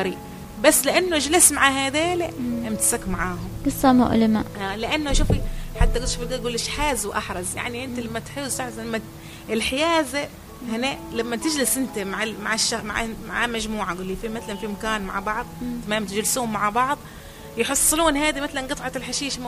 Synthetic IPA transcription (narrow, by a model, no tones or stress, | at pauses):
ɾiːʔ | basːlɪʔanːʊd͡ʒalɪsmaʕaɦaːd̪eːliʔɪmt̪ḁsakmaʕaːɦʊmɡ̥ɨsˤːɑmʊ̰ʔlɪmaʔaːlɪʔanːʊʃuːfiħat̪ːaɡʊd̪ʃuːfiɡɡuːlːɪʃħaːzwʔɑ̰ħɾˤɑzja̰ʕniʔɪnt̪alamːat̪ħɪːzt̪aʕɾzlamːa | ʔɪlħɪjaːza | hɪnelamːat̪ɪd͡ʒlɪsʔɪnt̪amaʕamaʕaʃːama̰ʕa̰ma̰ʕamaʒmuːʕaɡuːlːifimat̪alanfimakaːnma̰ʕbɑʕðˤt̪amaːmat̪ɪd͡ʒlsuːmːaʕbɑʕðˤ | jħɨsˤːɨluːnhaːd̪imat̪lanɡɨt̪ˤʕɑlħaʃiːʃ